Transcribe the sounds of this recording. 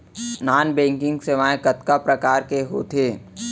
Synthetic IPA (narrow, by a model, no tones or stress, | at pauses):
naːnbɛ̃ːŋkɪ̃ŋɡseʋãːẽkɐt̪kapɾɐkaːɾkeɦo̰t̪ʰeː